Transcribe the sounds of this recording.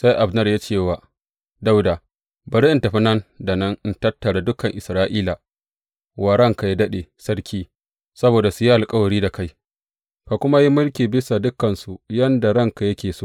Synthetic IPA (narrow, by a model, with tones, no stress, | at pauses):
sa˦jʔa˨bnɐ˦rja˦t͡ʃeː˦˨waː˨ | da˦wdaː˨ | bɐ˨ɽi˦ʔɪ˦ntɐ˨ɸɪ˦nɐ˦nda˨nɐ˦ŋʔɪ˦ntɐ˦tːɐ˨ɽa˨dʊ˦kɐ˨ŋʔɪ˨sɾaː˦ʔiː˦la˨ | waː˨ɽɐ˦ŋka˨ji˦dɐ˦ɗe˨sɐ˦ɽkʲiː˦ | sɐ˦boː˨da˨su˨ji˦ʔa˨lkʼɐ˦wɐ˨ɽiː˦da˨ka˦j | ka˨kʷʊ˦ma˦ji˦mʊ˦lkʲiː˨bɪ˦sa˨dʊ˦kːɐ˨nsu˨jɐ˦nda˨ɽɐ˦ŋka˨jɐ˦kʲeː˨soː˦ʔ